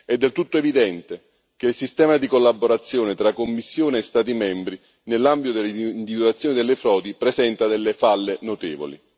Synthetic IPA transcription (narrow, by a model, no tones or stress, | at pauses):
ɛd̪ːelt̪ut̪ːoevid̪ɛnt̪e | k̟eilsist̪ɛːmad̪ikolːabːoɾat̪sːjoːnet̪ɾakːomːisːjoːneːst̪aːt̪̬imɛmbɾi | nelːambit̪od̪elːind̪ivid̪wat̪sːjoːnid̪elːefɾɔːd̪ipɾezɛnt̪ad̪elːefalːenot̪eːvo̰lḭ